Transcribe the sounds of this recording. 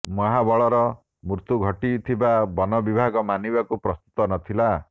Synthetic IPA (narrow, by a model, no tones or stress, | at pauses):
mɔɦabɔɭɔɾɔ | muɾt̪uɡʱɔʈit̪ʰibabɔnɔbibʱaɡɔmanibakupɾɔst̪u̥t̪ɔnɔt̪ʰila